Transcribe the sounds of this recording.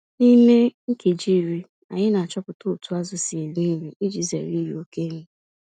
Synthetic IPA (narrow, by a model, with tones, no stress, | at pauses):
ni˦me˦ŋ̩˦ke˨d͡ʒi˦˨ɾi˦ | a˨ɲɪ˦na˨t͡ʃɔ˦pʊ˨to˦˨tu˨˦a˦zʊ˨si˨ni˦mi˨i˦d͡ʒi˨zḛ˨ɾi˦ɾo˦ke˦me˦